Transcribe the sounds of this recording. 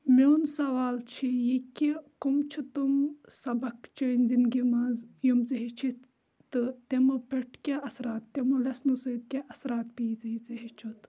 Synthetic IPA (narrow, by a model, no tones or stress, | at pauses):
mewnsɐʋaːlt͡ʃʰijikʲikumt͡ʃʰit̪umsɐbɐkt͡ʃʰɐnzinɡimɐzjumt͡sɐɦit͡ʃʰit̪ | t̪ɨt̪emɐpeʈʰkʲaʔɐsɾaːt̪ːemɐlɐsnusɨd̪kʲaʔɐsɾaːt̪piːt͡sɐit͡sɐɦit͡ʃʰut̪